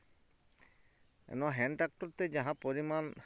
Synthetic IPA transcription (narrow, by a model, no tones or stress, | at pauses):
ɛ̰nɔɦɛnʈak̚ʈɔɾt̪ed͡ʒaɦãpoɾiman